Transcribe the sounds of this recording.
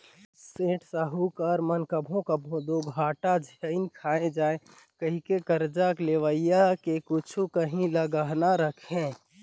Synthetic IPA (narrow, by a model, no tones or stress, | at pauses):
sẽːʈsəɦukəɾmənkəbʱõkəbʱõd̪oɡʱaːʈad͡ʒʱəɪnkʰaːẽd͡ʒaːe | kəɦikekəɾd͡ʒakleʋəɪjakekʊt͡ʃʰukəɦĩləɡaɦnaɾəkʰẽ